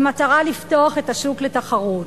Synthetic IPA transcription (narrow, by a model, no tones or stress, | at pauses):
mataʁalifto̞aχe̞taʃukletaχaʁut